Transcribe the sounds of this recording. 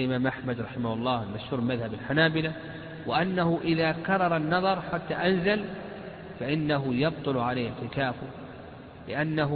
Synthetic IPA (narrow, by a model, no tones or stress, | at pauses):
ʔɪmaːmʔaħmad̪ɾˤɑħɪmahʊlˤːɑːlmaʃhuːɾmaðhabalħanaːbɪla | wɪʔanːahʊʔɪðakɑrˤːɑɾˤɑnːɑðˤɑɾˤħat̪ːaʔanzal | faʔɪnːaɦʊjɑb̚t̪ˤʊlʕalajːɪʕt̪ɪkaːfʊ | lɪʔanːaɦ